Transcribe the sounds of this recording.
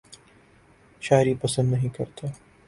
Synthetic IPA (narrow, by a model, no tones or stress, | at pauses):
ʃaːɪɾipɐsə̃nd̪nɐɦĩkɐɾt̪ʰaː